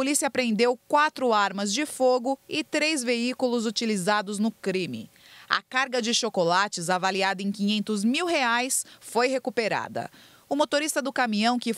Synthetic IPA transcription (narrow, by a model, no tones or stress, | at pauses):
olisiɐpɾẽnd̪ewkwat̪ɾʊaɾmɐzd͡ʒɪfoɡʊɪt̪ɾezveikulʊzut͡ʃilizad̪ʊznʊkɾĩmɪ̰ɐ̰kaɾɡɐd͡ʒɪʃokolat͡ʃɪzavaliad̪ɐẽj̃kĩɲẽnt̪ʊzmiwɦeajsfojhekupeɾa̰d̪ɐ̰ | ʊmot̪oɾist̪ɐd̪ʊkamĩɲɐ̃w̃kɪ